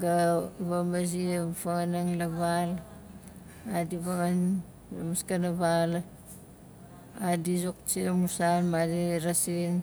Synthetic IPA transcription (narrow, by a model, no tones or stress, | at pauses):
ɡaβamazipaŋanaŋlaβal | adiβaŋan | amaskanaβal | adizok̚t͡ʃiamusalmadiɾasin